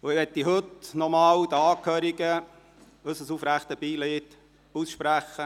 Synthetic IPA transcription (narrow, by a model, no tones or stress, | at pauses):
ʊɪʋɛt̪ːiɦɵtnɔmɑːwd̥̪əɑːkʰhøːɾiɡə | øsəsufɾæχt̪əbiːleːt | usʃpɾæχə